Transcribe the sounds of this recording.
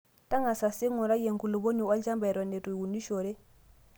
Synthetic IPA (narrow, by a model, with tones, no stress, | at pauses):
ta˦ŋa˨sa˨si˦ŋu˨ɾa˦je˨ŋku˨lo˨bo˦ɲu˨a˦ld͡ʒa˦mba˨jɾo˨ne˨tu˨wu˨ndi˦ʃo˨ɾe˦